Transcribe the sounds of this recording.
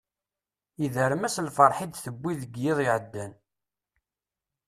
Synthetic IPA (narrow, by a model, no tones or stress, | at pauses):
iðəɾmæslfəɾˤħid̪θəbʷːiðəɡjɪðˤɪʕəd̪ːæn